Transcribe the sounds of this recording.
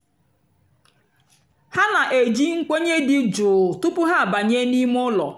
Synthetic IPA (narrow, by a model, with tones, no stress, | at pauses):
ha˦na˨ʔe˨d͡ʒi˦ŋ̩˦kʷe˦ɲe˦dɪ˨d͡ʒʊ˨tʊ˦pʊ˦ɦa˦˨ba˨ɲe˦ni˦m˦ʊ˦lɔ̰˨